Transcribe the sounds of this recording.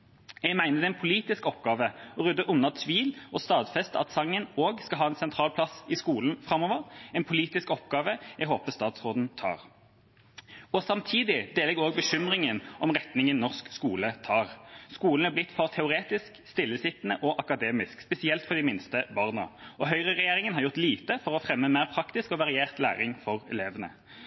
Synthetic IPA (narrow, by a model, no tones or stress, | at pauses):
jɛɡmæɪnəd̪ɛɛnpʰʊliːt̪ɪskɔpɡɑːʋəɔʁʉd̪ːəʔʊnːɑsʰʋiːlɔst̪ɑːd̪fɛst̪ɑ̰t̪sɑŋːənoːɡskɑlɦɑːɛnsɛnt̪ʰʁɑːlpʰlɑsɪskuːln̩fʁɑmɔʋəʁɛnpʰʊliːt̪ɪskɔpɡɑːʋəjɛɦoːpəst̪ɑːt̪sʁoːd̪n̩t̪ʰɑ̰ːʁ | ɔsɑmt̪ʰiːd̪ɪd̪eːlɛɡoːɡ̚bəɕʏmʁɪŋənʔɔmʁɛt̪nɪŋənnːɔʁskskuːlət̪ʰɑːʁskuːln̩æblɪt̪ːfɔʁt̪ʰɛʊʁeːt̪ɪskst̪ɪlːəsɪt̪nəʔɔʔɑkɑd̪eːmɪskspɛsɪɛlt̪fɔʁd̪ɪmɪnst̪əbɑːʁnə̰ɔɦœʏʁəʁɛjeːʁɪŋənhɑʁjʊʁt̪liːt̪əfɔʁɔfʁɛmːəmæɪʁpʰʁɑkt̪ɪskɔʋɑʁɪjeːʁt̪læ̰ːʁɪŋfɔʁɛ̰leːʋənə̰